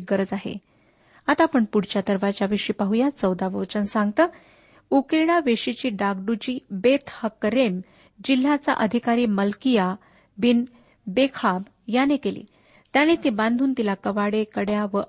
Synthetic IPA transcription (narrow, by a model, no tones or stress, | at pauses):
ɡəɾəd͡zaɦḛ | at̪apəɳpuɽ̤t͡ɕjat̪əɾʋat͡ɕjaʋeʂiːpaɦujat͡səwd̪aʋəwt͡ɕənsãŋɡt̪əː | ukeɽ̃aʋeʂit͡ɕiːɖaɡɖut͡ɕiːbet̪həkɾem | d͡ʑil̤ːat͡sa̰ʔəd̪ʱikaɾiːməlkija | bin | bekʰab | janekelḭː | t̪janet̪ibãnd̪ʱuːnt̪ilakəʋaɽekəɽjaʋə